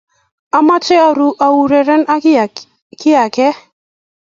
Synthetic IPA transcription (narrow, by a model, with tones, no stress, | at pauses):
a˦ma˦t͡ʃɛ˦a˨ɾu˨˦ʔa˨wu˨ɾɛ˨ɾɛ˦na˦ | kɪ˦a˨kɛ˦